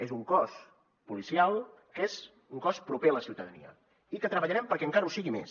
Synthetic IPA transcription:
ezuŋkɔs | pulisialˠkez | uŋkɔspɾupeələsiwt̪əðənḭə̰ | ikət̪ɾəβəʎəɾɛmpəɾkɛəŋkaɾəusiɣimḛs

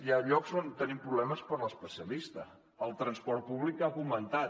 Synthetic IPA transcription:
iaʎɔkzont̪ənimpɾuβlɛməspəɾləspəsiəlist̪ə | əlˠt̪ɾənspɔrt̪̚puβlikafumənt̪at̪

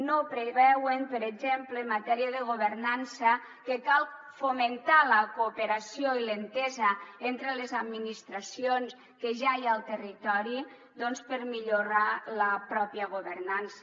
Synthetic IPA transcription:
nopɾeβɛwempəɾed͡ʒemplemːat̪ɛɾiəðəɣ̞oβəɾnansə | kekalˠ | foment̪aləkupeɾasjoilent̪ɛzəent̪ɾəlezad̪minist̪ɾasions | keʒajalˠt̪ərit̪ɔɾi | d̪ɔnspəɾmiʎuɾaləpɾɔpiəɣ̞uβəɾnans

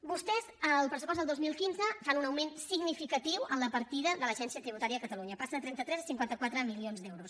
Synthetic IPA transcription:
bust̪ɛzəlˠpɾəsupɔzðəlˠd̪ozmilˠkinzəfanunəwmensiɡnifikət̪iwənləpəɾt̪iðəðələʒɛnsiət̪ɾiβut̪aɾiəːkət̪əluɲəpasənət̪ɾɛnt̪ət̪ɾɛzəsiŋkwant̪əkwat̪ɾəmilionzd̪ɛwɾus

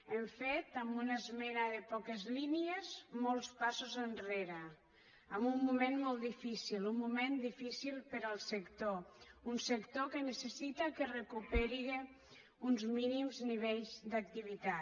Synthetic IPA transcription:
eɱfet̪əmbunəzmɛɾaðəpɔkəzliniezmɔlˠspasuzənreɾə | əmbumːumẽnmɔlˠt̪d̪ifisilumːumend̪ifisilˠpəɾəlˠsəkt̪ounsəkt̪okənəsəsit̪əkərekupeɾiɣe | unzminimzniβeʎzd̪ək̚t̪iβ̞it̪a

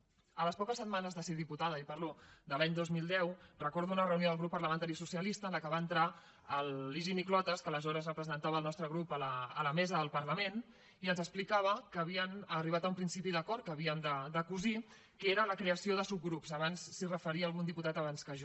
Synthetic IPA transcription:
ələspɔkəsːəd̪manəzðəseðiput̪aðəipəɾlod̪əlaɲd̪ozmilˠd̪ɛwrəkɔɾðuunərəunioðəlˠɣɾupːəɾləmənt̪aɾisusiəlist̪ənləkəβaənt̪ɾa | əlːiʒiniklɔt̪əskələzɔɾəzrəpɾəzənt̪aβəlˠnɔst̪ɾəɣɾupələələmɛzəðəlˠpəɾləmen | iənzəksplikaβ̞əkəːβiənəriβ̞at̪əumpɾinsipiðəkɔɾt̪̚kəːβiəmd̪əd̪əkuzi | keɾələkɾeəsioðəsub̚ɡɾupzəβ̞ansːirəfəɾiəːlˠɣund̪iput̪at̪əβ̞anskəʒ

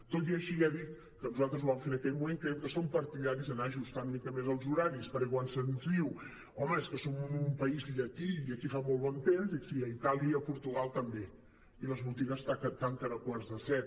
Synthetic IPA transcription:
t̪ot̪iəʃiɛðit̪̚ | kənuzalˠt̪ɾəzuβamfenəkɛʎmumẽŋkɾɛwkəsompəɾt̪iðaɾizənaʒust̪anumikəmezəlˠzuɾaɾispəɾekwansənzðiw | ɔməeskəsomuumpəiziʎəkiiəkifamolˠβɔnt̪emzðiksiəit̪alˠiəəpuɾt̪uɣalˠt̪əmbe | iləzβut̪iɣəst̪akət̪aŋkənəkwaɾzðəsɛt̪̚

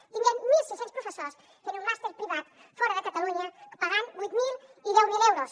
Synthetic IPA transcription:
t̪iɲaŋmilsesẽnspɾofesos | enũmast̪eɾpɾiβat̪ | fɔɾɐðəkat̪aluɲɐkə̥paɣaŋujt̪miliðɛwmilewɾos

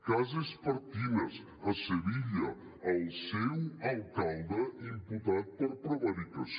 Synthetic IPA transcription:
kazespɐɾt̪ivez | ɐseviʎɐ | alsɛwɐlkalˠd̪ɐimput̪at̪̚pəɾpɾovaɾik̪as

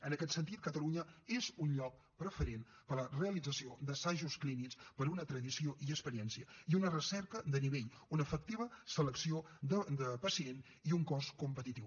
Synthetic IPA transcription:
ənəkɛt̪sənt̪it̪̚kət̪əluɲəezunʎɔk̚ | pɾəfəɾen | pələreəlid͡zəsiod̪əsaʒusklinikspəɾunət̪ɾəðisioʔiəkspəɾiɛnsiəiunərəsɛɾkəd̪əniβeʎ | unəfək̚t̪iβəsələksiod̪əd̪əpəsien | iuŋkɔskumpət̪it̪iw

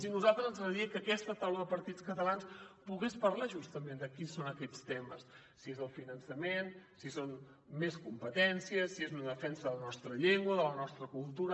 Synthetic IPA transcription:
sinuzalˠt̪ɾəzənzəðiəkəkɛst̪ət̪awləðəpəɾt̪it͡skət̪əlanspuɣespəɾlaʒust̪əmẽnd̪əkisonəkɛt͡st̪eməsː | iezəlˠfinənsəmensison | meskumpət̪ɛnsiəsiezunəðəfɛnsəðələnɔst̪ɾəʎeŋɡwəðələnɔst̪ɾəkulˠt̪uɾə

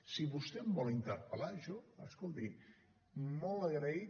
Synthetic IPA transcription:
siβust̪ɛmbɔlint̪əɾpəlaʒɔəskɔlˠt̪i | mɔləɣɾai

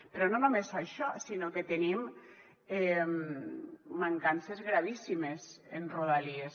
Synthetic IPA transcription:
pɾɔnonumesaʃɔsinoket̪enim | emː | aŋkansezɣɾaβisimezenroð̞alies

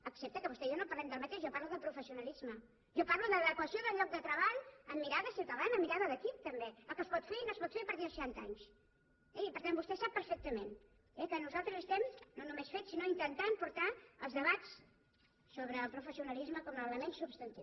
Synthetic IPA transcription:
əksɛp̚t̪əkəβust̪ɛʒanopəɾlɛmd̪əlˠmət̪eʒʒɔpaɾluðəlˠpɾufəsiunəlizmə | ʒɔparluðəðəkwəsijoðəlʎɔk̚d̪ət̪ɾəβaʎəmːiɾaðəsiwt̪əðanəːmːiɾaðəðəkip̚t̪əmbeəlˠkəspɔt̪feinospɔt̪feɾpəɾt̪iəsʃant̪a̰ɲs | ɛipəɾt̪ambust̪ɛsap̚ːəɾfɛk̚t̪əmen | ɛkənuzalˠt̪ɾəzəst̪ɛmznonumesfet͡ssinoint̪ənt̪ampuɾt̪aəlˠzðəβat͡s | soβ̞ɾəːlˠpɾufəsiunəlizməkɔmələmensubst̪ənt̪ḭw

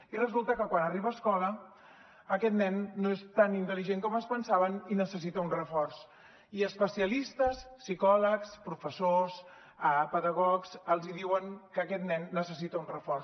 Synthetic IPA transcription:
irəzulˠt̪əkəkwanəriβəːskɔləː | kɛt̪nɛnːoest̪anint̪əliʒeŋkɔməspənsaβəninəsəs̬it̪əunrəfɔrs | iəspəsiəlist̪əsːikɔləkspɾufəsos | əpəðəɣɔksəlˠziðiwəŋkəːkɛt̪nɛnːəsəsit̪əunrəfɔrs

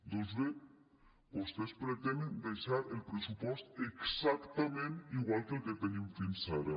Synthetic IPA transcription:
d̪ozβe | bost̪espɾet̪enend̪ejʃaɾelpɾesupɔst̪eksakt̪ɐmẽniɣwalˠkelket̪eɲimfinsaɾɐ

